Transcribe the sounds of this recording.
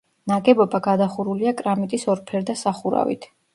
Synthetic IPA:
naɡɛbɔbaɡad̪aχuɾuliakʼɾamit̪ʼisɔɾpʰɛɾd̪asaχuɾa̰vḭt̪ʰ

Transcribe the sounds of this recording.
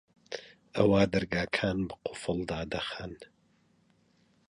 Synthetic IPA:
ʔɐwaːd̪ɐɾɡaːkʰaːnbɨqʰʊ̥fɨlˠd̪aːd̪ɐxaːn

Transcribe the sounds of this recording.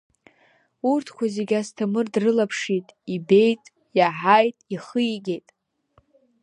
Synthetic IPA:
urtʰkʷʰazeɡʲastʰamɨrdrɨlapʰʂitʼibe̞jtʼ | jaħajtʼiχɨjɡʲejtʼ

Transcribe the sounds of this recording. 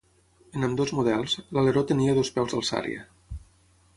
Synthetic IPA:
ənəmd̪ozmuðɛlˠzləleɾot̪əniəðospɛwzðəlˠsa̰ɾḭə̰

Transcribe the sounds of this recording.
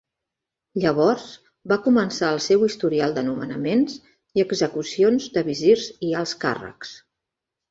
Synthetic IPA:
ʎəβ̞ɔrz | bakumənsaəlˠsewist̪uɾialˠd̪ənumə̰nəmenz | iəɡzəkusionzd̪əβizirzialˠska̰rə̰ks

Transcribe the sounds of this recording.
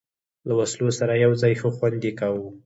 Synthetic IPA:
lawaslosaɾajawzɑjxəxwand̪ikawu

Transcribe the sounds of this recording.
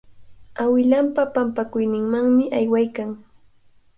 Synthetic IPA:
awɪlampapampakʊjnɪŋmaŋmɪʔajwajkaŋ

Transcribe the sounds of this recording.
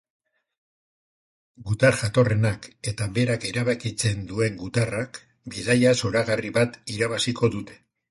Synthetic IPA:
ɡut̪aɾʝat̪o̞re̞nake̞t̪aβe̞ɾake̞ɾaβakit͡se̞nd̪ue̞ŋɡut̪arak | biðajaso̞ɾaɣariβat̪iɾaβasiko̞ðut̪e̞̥

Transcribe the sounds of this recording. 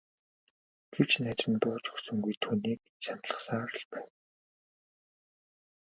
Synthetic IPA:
ɡ̥ew̥t͡ɕnat͡ɕə̆np̪ʊːt͡ɕɵ̥xsɵ̆ŋɡujt̪ʰuːniːk̚ | ʃam̥t̪ɮə̆χsaːɾə̆ɮpæːw

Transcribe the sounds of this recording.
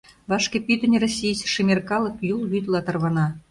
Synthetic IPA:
βɑʂkĕpʲyt̪ɘ̆nʲrosʲːijsʃɘ̆mʲerkɑlˠɤ̆kjulˠɣʲyt̪lˠɑt̪ɑ̆rβɑnɑ

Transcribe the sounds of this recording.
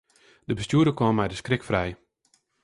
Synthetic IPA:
d̥əbəstjuəɾəkɔmːɛjdəskrɪkfrɛj

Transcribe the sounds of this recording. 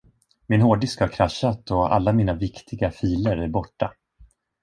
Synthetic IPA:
mɪnɦoːɖɪskhaɾkʰɾaɕːat̪ɔa̰lːamiːnavɪkt̪ʰɪɡafiːləɾæɾbɔʈːa

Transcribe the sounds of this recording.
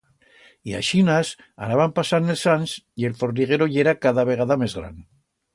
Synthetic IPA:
ia̰ʃinas | a̰naβampasaɾnelsansie̞lfoɾniɣ̞eɾoʎeɾakaðaβe̞ɣ̞aðamezɣɾa̰n

